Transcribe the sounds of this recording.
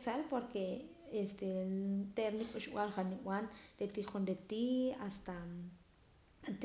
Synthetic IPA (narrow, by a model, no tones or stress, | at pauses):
t͡salpoɾke | est̪et̪eɾnikʼuʃw̰alχaniw̰anɾet̪iχunɾet̪iast̪a | t̪